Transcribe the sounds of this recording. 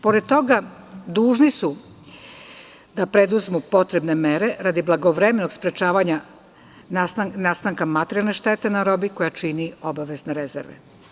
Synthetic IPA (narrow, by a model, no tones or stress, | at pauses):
po̞ɾed̪̚t̪o̞ɡa | d̪uːʒnisu | d̪apɾed̪uzmupo̞t̪ɾe̞bne̞meɾeɾad̪iblˠaɡoʋɾemenoɡspɾet͡ʃaːʋaɲa | nast̪aŋkamat̪eɾialne̞ʃt̪et̪e̞naɾobiko̞jat͡ʃinio̞baʋe̞zneɾezḛɾʋḛ